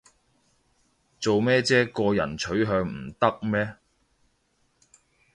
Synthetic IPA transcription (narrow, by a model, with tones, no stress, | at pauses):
t͡so˨wmɛː˥t͡sɛː˥kɔː˧jɐ̰˨˩nt͡ʃʰɵ˨˥ɥɦœː˧ŋm̩˨˩t̪ɐ˥k̚mɛː˥